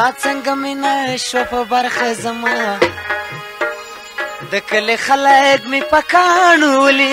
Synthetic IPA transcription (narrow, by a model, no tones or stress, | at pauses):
ɑt͡səŋɡaminaʃwapəbaɾxazama | d̪əkəlexalakmipakɑɳuwəli